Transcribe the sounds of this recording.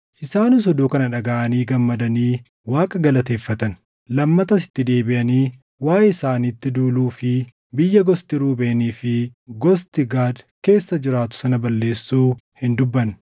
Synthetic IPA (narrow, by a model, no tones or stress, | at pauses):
ʔɪsaːnɪs̬ɔd̪uːkɐnɐᶑɐɡaʔɐniːɡɐmːɐd̪ɐniː | waːkʼɐɡɐlɐt̪e̞ːfːɐt̪ɐn | lɐmːɐt̪ɐsɪ̥t̪ːɪd̪e̞ːbɪʔɐniː | waːjɪsaːniːt̪ːɪd̪uːluːfɪ | bɪjːɐɡɔst̪ɪɾuːbeːniːfɪɡɔst̪ɪɡaːd̪ke̞ːsːɐd͡ʒɪɾaːt̪ʊ̥sɐnɐbɐlːe̞ːsːuːhɪnd̪ʊbːɐn